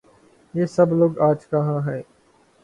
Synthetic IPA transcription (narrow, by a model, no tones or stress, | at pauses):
jeːsəbloːɡaːd͡ʒkaɦãːɦɛː